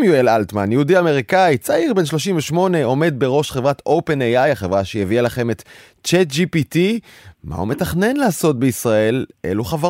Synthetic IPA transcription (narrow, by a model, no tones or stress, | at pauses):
mjuelalt̪manjeudiame̞ʁikait͡saiʁbe̞nʃlo̞ʃimveʃmo̞ne̞o̞me̞d̪̚be̞ʁo̞ʃχevʁat̪o̞wpe̞nejajaχevʁaʃejevialaχe̞met | t͡ʃed͡ʒipitimʔa̰ṵme̞taχne̞nlaːso̞t̚beisʁae̞lʔe̞̰luχava